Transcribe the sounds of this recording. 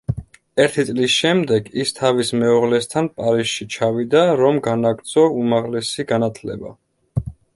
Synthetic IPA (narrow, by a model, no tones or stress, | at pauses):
ɛɾt̪ʰit̪sʼlisʃɛmd̪ɛɡist̪ʰavismɛɔʁlɛst̪ʰanpʼaɾisʃit͡ʃʰavid̪aɾɔmɡanaɡɾt̪sʼʰɔumaʁlɛsiɡanat̪ʰlɛ̰ba̰